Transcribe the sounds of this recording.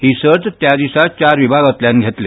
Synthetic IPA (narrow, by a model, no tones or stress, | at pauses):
ɦiːsəɾt̪t̪jad̪isat͡ɕaɾʋibʱaɡət̪ljãnɡʱet̪le